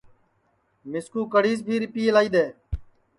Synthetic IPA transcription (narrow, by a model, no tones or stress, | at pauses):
mɪskuːkəɽiːs̬bʱiːɾɪpiːlaːiːd̪eː